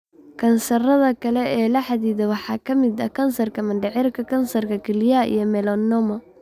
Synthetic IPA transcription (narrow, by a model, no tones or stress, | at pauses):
kʰɐnsɐrɐðɐkʰɐlɛɛːlɐħɑðiːðɛwɑħɑːkʰɐmɪd̪ɐ̰kʰɐnsɐrkʰɐmɐnɖɛʕɪrkʰɐkʰɐnsɐrkʰɐkʰɪljaʔḭjɔmɛlɔnːɔmɐ